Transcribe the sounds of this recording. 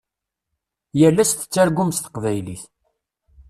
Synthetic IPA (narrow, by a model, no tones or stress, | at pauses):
jəlːæst̪ə̥t͡sːæɾɡʷʊmst̪ə̥qvæjliθ